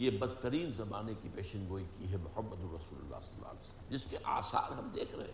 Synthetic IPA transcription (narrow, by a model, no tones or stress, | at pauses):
jebɐd̪t̪əɾiːnzɐbaːnekipeːʃə̃nɡoːikiɦɛmʊhɐmːəd̪ʊɾɐsuːlʊ̰lːa̰ːsɐlːa̰ːlːsə | d͡ʒɪskeʔaːsa̰ːɾɦɐmd̪eːkʰɾɐ̰ɦḛ̃